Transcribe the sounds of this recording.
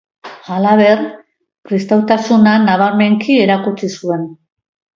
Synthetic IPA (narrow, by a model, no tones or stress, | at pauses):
alaβe̞r | kɾist̪awt̪asunanaβ̞aɾme̞ŋkie̞ɾakut͡sisue̞n